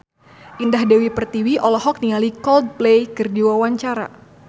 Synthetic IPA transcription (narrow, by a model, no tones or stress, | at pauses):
ʔindahdɛwipərt̪iwiʔɔlɔɦɔk̚nialikɔld̪̚plejkərdiwawaɲt͡ʃaɾa̰